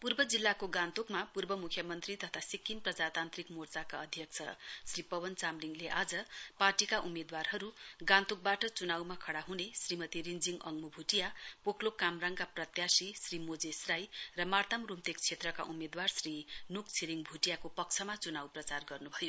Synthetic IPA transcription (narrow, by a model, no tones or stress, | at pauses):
purbʌd͡zilːakoɡãnt̪ukmapurbʌmukʰjʌmʌnt̪rit̪ʌt̪ʰasikːinprʌd͡zat̪ant̪rikmort͡sakaʌd̪ʱjʌk̚t͡sʰʌ̰sripʌbʌnt͡samliŋleʔad͡zʌparʈikaʔumed̪warɦʌɾuɡãnt̪uk̚baʈʌt͡sunawmakʰʌɽaɦunesrimʌt̪iɾind͡ziŋɡʌ̰ŋmubʱuʈijapokʰlokamraŋkaprʌt̪jasisrimod͡zesrajrʌmart̪amrumt̪ek̚t͡sʰet̪rʌka̰ʔumed̪warsrinukt͡sʰiɾiŋbʱuʈijakopʌkt͡sʰʌmat͡sunawprʌt͡sarɡʌrnubʱʌjo